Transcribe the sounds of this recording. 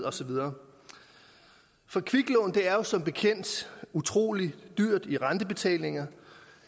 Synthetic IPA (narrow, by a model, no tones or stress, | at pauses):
ɒ̽sɒ̽ʋiðˠɐː | fɒ̽kʰʋiɡ̥lɔːn̩d̥e̝æɐjo̝sɒ̽mb̥e̝kʰen̰d̥ut͡sʰʁo̝̰ːlid̥yɐ̰d̥iʁɑ̈nd̥əb̥e̝t͡sʰɛ̰ːle̝ŋɐ